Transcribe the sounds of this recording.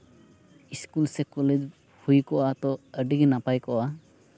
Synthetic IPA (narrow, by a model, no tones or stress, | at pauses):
iskulsɛkɔled͡ʒ | hujkɔʔat̪ɔəɖiɡnapajkɔʔa